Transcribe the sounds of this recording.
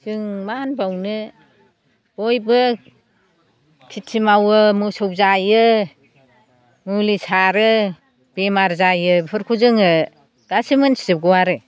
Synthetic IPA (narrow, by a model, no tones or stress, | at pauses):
sɯŋmanbawnɯ | bojbɯ | kʰitʰimawɯmusɔwzajɯ | mulisaɾɯ | bemaɾzajɯpʰɯɾkʰuzɯŋɯ | ɡ̥asimɯnsi̥zɯɡɔwaɾɯ